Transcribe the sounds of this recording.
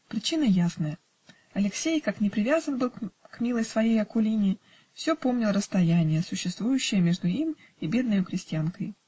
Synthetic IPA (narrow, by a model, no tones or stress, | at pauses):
pɾʲɪt͡ɕinəjasnəjə | ɐlʲɪksʲejkaknʲɪpɾʲɪvʲazənbɨlˠkmʲilˠəjsvɐjejɐkʊlʲinʲɪ | fsʲɵpo̞mnʲɪlˠrəst̪ɐjænʲɪjəsʊɕːɪst̪vujʉɕːɪjəmʲe̞ʐd̪ʊim | ibʲe̞d̪nəjʊkɾʲɪsʲtʲɪankəj